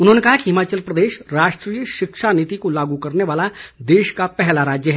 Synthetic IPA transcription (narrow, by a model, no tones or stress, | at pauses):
ʊnɦoːnekɐɦakiɦɪmaːt͡ʃəlpɾɐd̪eːʃɾaːʃʈɾijəʃɪkʃaniːt̪ikolaːɡukɐɾneʋaːlad̪eːʃkapɛɦlaɾaːd͡ʒjəɦɛː